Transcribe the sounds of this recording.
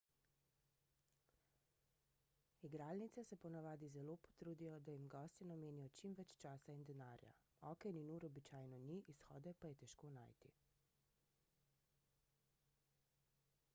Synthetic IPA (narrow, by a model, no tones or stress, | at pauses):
iɡɾaːlnit̪sɛsɛpɔnaʋaːd̪izɛloːpɔ̥t̪ɾuːd̪ijɔd̪ajimɡɔːst̪inɔmeːnijɔt͡ʃimʋɛt͡ʃt͡ʃaːsaind̪ɛnaːɾja̰ | ɔːkɛninuːɾɔbit͡ʃaːjnɔniʔisxɔ̰ːd̪ɛpajɛt̪ɛʃkona̰ːjt̪ḭ